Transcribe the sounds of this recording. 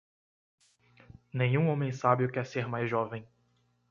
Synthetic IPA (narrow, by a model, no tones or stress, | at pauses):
nẽj̃ũõmẽj̃sabɪʊkɛɾseɾmajzʒɔvẽj̃